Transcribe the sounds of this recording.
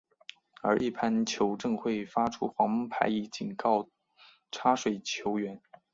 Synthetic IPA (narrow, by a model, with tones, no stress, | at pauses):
ə˞˧˥ʔi˥˩pʰa˥nt͡ɕʰjo˧˥ʊʈ͡ʂɤ˥˧ŋxwe˥˩ɪfa˥ʈ͡ʂʰu˥xwɑ˧˥ŋmə˥ŋpʰa̰˧˥ɪi˧˥t͡ɕi˨˩nkɑ˥˩ʊ | ʈ͡ʂʰa˥ʂwe˨˩ɪt͡ɕʰjo˧˥ʊɥɛ˧˥n